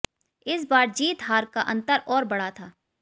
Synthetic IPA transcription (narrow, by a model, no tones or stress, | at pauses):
ɪs̬baːɾd͡ʒiːt̪ɦaːɾkaʔɐ̃nt̪əɾɔːɾbɐɽat̪ʰaː